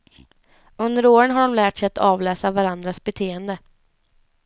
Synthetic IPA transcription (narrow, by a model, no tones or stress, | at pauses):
ɵnd̪əɾoːɾənɦaɖɔmlæːʈsɛjat̪ɑːvlɛːsavaɾand̪ɾasbɛt̪ʰeːənd̪ə